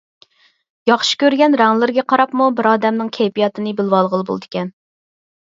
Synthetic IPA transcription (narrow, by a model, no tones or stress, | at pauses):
jɑχʃi̥kʲøɾɡʲɛnɾæŋlˠɪɾɡʲɛqʰɑɾɑpmubɪɾɑːd̪ɛmnɨŋkʲʰɛjpijɑt̪ɨnɨbɪlwɑlˠʁəlˠɨbo̰lˠd̪ɪ̥kʲɛn